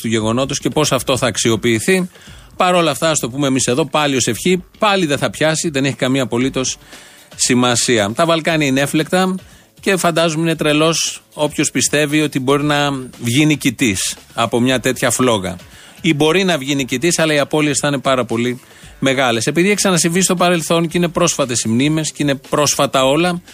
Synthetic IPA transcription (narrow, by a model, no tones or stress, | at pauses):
t̪uʝe̞ɣo̞no̞t̪osce̞po̞sɐft̪o̞θɐːksio̞piːθi | pɐɾo̞lɐft̪ɐst̪o̞pumemise̞ðo̞pɐlio̞se̞fçipɐliðeθɐpçɐsiðe̞ne̞çi̥kɐmiɐːpo̞lit̪o̞sː | imɐsiɐt̪ɐvɐlkɐniɐineefle̞kt̪ɐ | ce̞fɐnd̪ɐzumine̞t̪ɾe̞lo̞so̞pço̞spist̪e̞vio̞t̪ibo̞ɾinɐvʝinicit̪isɐpo̞mɲɐt̪e̞t̪çɐflo̞ɣɐ̰ | ibo̞ɾinɐvʝinicit̪isɐlɐiɐpo̞liesθine̞pɐɾɐpo̞li | me̞ɣɐle̞se̞piðieksɐnɐsivist̪o̞pɐɾe̞lθo̞ncine̞pɾo̞sfɐt̪e̞simnime̞scine̞pɾo̞sfɐt̪ɐo̞lɐ